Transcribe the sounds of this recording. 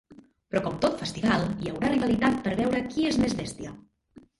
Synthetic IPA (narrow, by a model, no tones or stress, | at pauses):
pɾɔkɔmt̪ot̪fəst̪iβalˠiəwɾariβəlit̪at̪̚pəɾβɛwɾəkiezmezβɛst̪iə